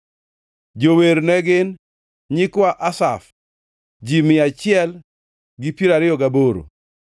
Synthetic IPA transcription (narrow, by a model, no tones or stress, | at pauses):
d͡ʒoweɾnɛɡɪn | ɲɪkwaʔasaf | d͡ʒimɪat͡ʃɪɛl | ɡɪpiɾaɾɪɔɡaboɾo̰